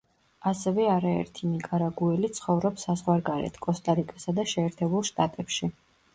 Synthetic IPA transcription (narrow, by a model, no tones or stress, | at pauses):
asɛvɛaɾaɛ̰ɾt̪ʰinikʼaɾaɡuɛlit̪sʰχɔvɾɔpsazʁwaɾɡaɾɛ̰t̪ʰkʼɔst̪ʼaɾikʼasad̪aʃɛːɾt̪ʰɛbulˠʃt̪ʼat̪ʼɛpʃi